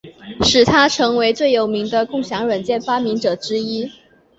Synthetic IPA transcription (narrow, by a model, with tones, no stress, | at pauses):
ʂɻ̩˨˩t̪ʰa˥ʈ͡ʂʰɤ˧˥ŋwe˧˥ɪt͡swe˥˩ɪjo˨˩ʊmi˧˥ŋd̪ə˧kʊ˥˩ŋɕjɑ˧˥ŋɻə˨˩nt͡ɕjɛ˥˩nfa˥mi˧˥ŋʈ͡ʂɤ˨˩ʈ͡ʂɻ̩˥i˥